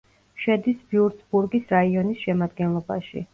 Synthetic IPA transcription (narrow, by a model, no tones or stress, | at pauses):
ʃɛd̪isbiuɾt̪sbuɾɡisɾaiɔnisʃɛmad̪̚ɡɛnlˠɔba̰ʃḭ